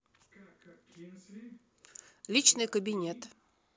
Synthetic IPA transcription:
lʲit͡ɕnɨjkəbʲinʲet̪

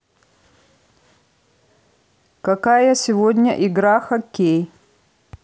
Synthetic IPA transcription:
kɐkajəsʲɪvodʲnʲə̰ʔiɡɾaxɐkʲːej

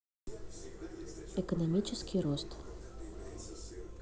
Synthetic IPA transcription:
ekonomʲit͡ɕəskʲiɾost̪

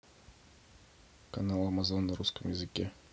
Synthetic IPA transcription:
kɐnalˠɐmɐzonːɐɾuskəmjɪzɨkʲe

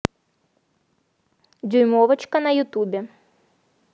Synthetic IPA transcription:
d͡zʲujmɔvɐt͡ʃkɐnɐjʊt̪ubʲɛ

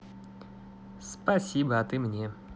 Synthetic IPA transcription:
spɐsʲibəɐt̪ɨmnʲe

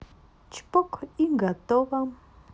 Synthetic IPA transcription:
t͡ʃpokʰiŋɡat̪oɢɑm

